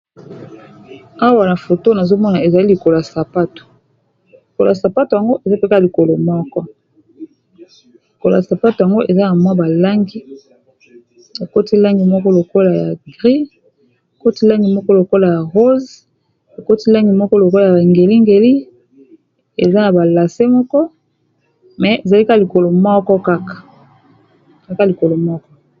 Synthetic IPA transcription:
a˦wa˨na˨fo˨to˦na˨zo˦mɔ˦na˨e˨za˨li˦li˨ko˨lo˨a˨sa˨pa˦to̥˨ | li˨ko˨lo̰˨a˨sa˨pa˦to˨ja˨ŋɡo˦ʔe˨za˦pe˦ka˦˨li˨ko˨lo˨mɔ˦kɔ˦ | li˨ko˨la̰˨sa˨pa˦to˨ja˨ŋɡo˦ʔe˨za˦na˨mwa˦ba˨la˦ŋɡi˦ | o˨ko˦ti˦la˦ŋɡi˨mɔ˦kɔ˦lo˨ko˦la˨ja̰˨ɡʁi˦ | o˨ko˦ti˦la˦ŋɡi˨mɔ˦kɔ˦lo˨ko˦la˨ja˨ʁo˦z | o˨ko˦ti˦la˦ŋɡi˨mɔ˦kɔ˦lo˨ko˦la˨ja˨a˨ŋɡe˨li˦ŋɡe˨li˦ | e˨za˦na˨ba˨la˨se˦mɔ˦kɔ˦ | mɛ˨e˨za˨li˦ka˦˨li˨ko˨lo˨mɔ˦kɔ˦ka˦kḁ˨ | i˦ka˦˨li˨ko˨lo˨mɔ˦kɔ˦

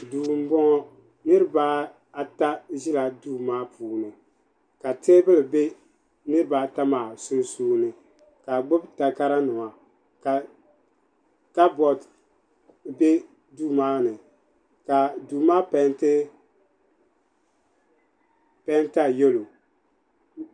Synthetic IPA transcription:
duː˨m̩˦bɔ˦ŋɔ˦ | nɨ˦ɾɨ˦ba˦ | a˨ta˦ʒɪ˦la˨duː˦maː˦pʰuː˨˦nɨ˨ | ka˨te˦bɨ˦lɨ˨be˦ | nɨ˦ɾɨ˦baː˨˦ta˦maː˨su˦n˦suː˦nɨ˨ | ka˨ɡ͡bʊ˦bta˨ka˦ɾa˦nʊ˨ŋa˨ | ka˨ | ka˦bɔ˨t | be˦ | duː˦maː˦nɨ˨ | ka˨duː˨maː˦pɛ˨˦ntɪ˦ | pɛ˦nta˦jo˦lo˨

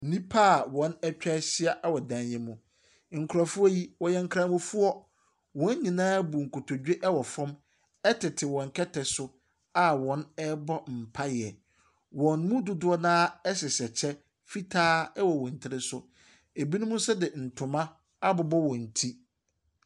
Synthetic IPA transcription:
nĩ˦pʰa˦˨wɔ̃˨˦nɛ˦t͡ɕᶣɛ˦ɕɪ˦a˦ʔa˦wɔ˨dã˨njɛ̃˦mũ˨ | ŋ̩˨kʰʊ˨ɾa˨fʊ˦a˦ji˦wɔ˨jɛ˦ŋ̩˦kʰɾã˦mʊ̃˦fʊ˦ɔ˦ | wɔ̃˨˦ɲ˦ɲĩ˨nãː˦bu˨ŋ̩˨kʊ˨tʰo˨d͡ʑᶣe˦ʔɛ˦wɔ˨fɔ̃˦m | ɛ˦tʰɪ˨tʰɪ˨wɔ̃˨ŋ˨kʰɛ˦tʰɛ˨sʊ˦ | a˦wɔ̃˨˦nɛ˦bɔ˦m̩˨pʰa˦jɪ˨ɛ˨ | wɔ̃˨nmʊ̃˦dʊ˦dʊ˦ɔ˦nãː˦ɛ˦ɕɪ˨ɕɛ˨t͡ɕʰɛ˦ | fi˦tʰaː˦ɛ˦wɔ˨wɔ̃˨n̩˨tʰɪ˦ɾɪ˦sʊ˦ | e˨bi˦nũ˦mũ˦sɛ˦dɪ˨n̩˨tʰʊ̃˨mã˦ | a˦bʊ˨bɔ˦wɔ̃˨n̩˨tʰi˦

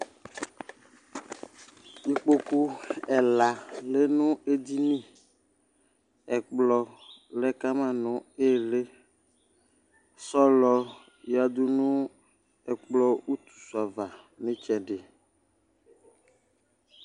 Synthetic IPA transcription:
mi˨k͡po˦ku˦ɛ˨la˨le˦nũ˦e˦d̪i˦nĩ˦ | ɛ˨k͡plɔ˨lɛ˦ka˦mã˦nʊ̃˨e˦˨le˦ | sɔ˦lɔ˦ | ja˨d̪u˦nũ˦ | ɛ˨k͡plɔ˦u˦t̪u̥˨su˨a˨va˨ | nẽ˦t͡ʃɛ˨ɖe˨

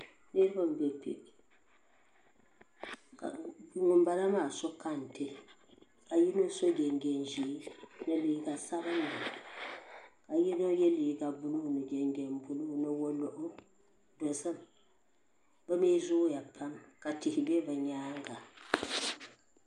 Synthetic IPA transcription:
ne˦ɾɨ˦ba˦m̩˨bɛ˨pḭ˨ | ka̰˨˦ŋʊ˨m̩˦ba˦la˦maː˦˨so˦ka˦n̩˨te˦ | ka˨ji˦no˦so˦d͡ʒɛ˨ŋɡɛ˨n˨ʒi˨˦nɨ˨li˨˦ɡa˨sa˦ba˦n˨dɨ˨ | ka˨ji˦no˦jɛ˦li˨ɡa˨bʊ˦lu˦˨nɨ˨d͡ʒɛ˨ŋɡɛ˨m˨bu˨lu˦˨nɨ˦wo˦lo˨ʔʊ˦ | do˨sɨ˦m | bɨ˦meː˦zʊ˦ja˨pʰa˦mka˨tɪ˨hɪ˨bɛ˦bɨ˨ɲaː˦ŋ˦ɡa˨

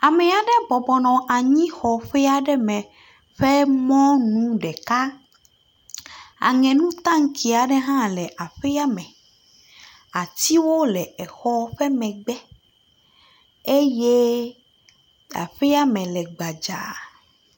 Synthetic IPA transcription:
a˨mɛ˨a˨ɖɛ˦bɔ˨bɔ˨nɔ̃˨ʔa˨ɲĩ˦xɔ˨ɸɛ˦a˨ɖɛ˦mɛ̃˨ | ɸɛ˦mɔ̃˦nũ˦ɖɛ˨ka˦ | a̰˨ŋɛ̃˨nũ˦t̪ã˦ŋ̩˦ki˨a˨ɖɛ˦ɦã˦lɛ˨ʔa˨ɸɛ˦a˦mɛ̃˨ | a˨t̪i˦wo˦lɛ˨ɛ˨xɔ˦ɸɛ˦mɛ̃˨ɡ͡bɛ˦ | e˦je˦ | a̰˨ɸɛ˦a˦mɛ̃˨lɛ˨ɡ͡ba˨d͡ʒa̰˨

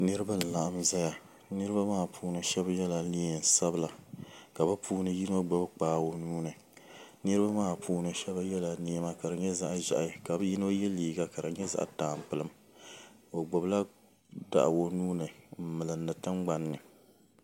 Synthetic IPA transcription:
nɨ˦ɾɨ˦ba˦˨n̩˨la˨ʔa˦m˦za˦ja˨ | nɨ˦ɾɨ˦ba˦maː˦˨pʰuː˦nɨ˨ʃɛ˦bjɛ˦la˨ni˦˨n˨sa˦bɨ˦˨la˨ka˨bɨ˦puː˦nɨ˦ji˦no˦ɡ͡bo˨bk͡paː˨˦wo˨nuː˦nɨ˨ | nɨ˦ɾɨ˦ba˦maː˦˨pʰuː˦nɨ˨ʃɛ˦ba˦jɛ˦la˨ni˦ma˦ka˨ɾɨ˨ɲɛ˦za˦ʔʒa̰˨ʔa˨ka˨bɨ˦ji˦no˦jɛ˦liː˨ɡa˦ka˨ɾɨ˨ɲɛ˦za̰˨ʔtaː˨m˨pɨ˨lɨ˦m | o˨ɡ͡bʊ˨bla˦ | da̰˦ʔwo˨nuː˦nɨ˨m̩˦mɨ˨lɨ˨mnɨ˨tɨ˦ŋɡ͡ba˦nːɨ˨

